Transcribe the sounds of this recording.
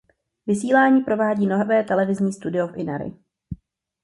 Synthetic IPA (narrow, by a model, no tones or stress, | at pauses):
vɪsiːlaːɲiːpɾo̞vaːɟiːnovɛːt̪ɛlɛvɪzɲiːst̪udɪofʔɪna̰ɾɪ̰